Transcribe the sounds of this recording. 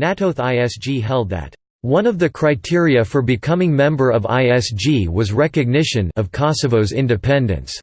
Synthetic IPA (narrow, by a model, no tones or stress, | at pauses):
næɾoʊθaɪɛsd͡ʒ̥iɦɛlˠd̪̚ðɨ̰t̚ | wʌ̃nʌvðɨkʰɹ̥aɪtʰɪɹiɨfə˞bɨkʰʌ̃mɪ̃ŋmɛ̃mbə˞ʌva̰ɪɛsd͡ʒiwʌzɹɛkɨɡ̚nɪʃɨ̃nʌv̥kʰɑsɨvoʊzɪ̰̃ndɨpʰɛ̃ndɨ̰̃ns